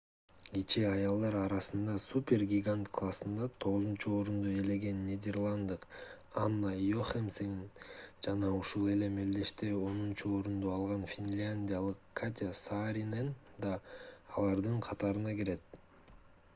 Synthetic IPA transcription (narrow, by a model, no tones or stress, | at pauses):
ɡet͡ʃeɑjɑlˠd̪ɑɾɑɾɑsɯnd̪ɑsupʲe̞rɡʲiɡant̪kʰlˠasɯnd̪ɑt̪ʰo̞ʁuzunt͡ʃuo̞ɾund̪uele̞ɡe̞nːʲed̪ʲe̞rlˠand̪ɯq | anːajoχemseŋind͡ʒɑnɑuʃulˠe̞le̞meld̪e̞ʃt̪eo̞nunt͡ʃuo̞ɾund̪uɑlˠʁɑnfʲinʲlʲanʲdʲijalˠɯqkʰat̪ʲasaɾʲinen | d̪ɑːlˠɑɾd̪ɯɴqʰɑt̪ɑɾɯnɑɡeɾe̞t̪̚